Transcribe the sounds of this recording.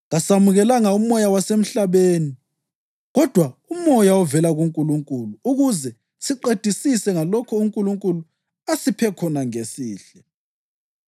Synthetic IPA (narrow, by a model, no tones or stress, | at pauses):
ɣasamuɣɛlaŋaumɔjawasem̩ɬaβeːni | ɣɔd̥ʱwaumɔjaɔvɛlaɣuŋkʼuluŋkʼuluuɣuzɛ | siǃed̥ʱisisɛŋalɔkʰɔuŋkʼuluŋkʼulu | asipʰɛkʰɔnaŋesiːɬɛ